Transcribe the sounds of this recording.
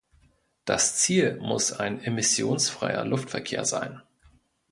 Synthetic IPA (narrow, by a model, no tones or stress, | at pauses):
d̥ast͡siːlmʊsaɪnemɪsjoːnsfʁ̥a̰ɪɐ̰lʊftfɛɐkʰeːɐza̰ɪn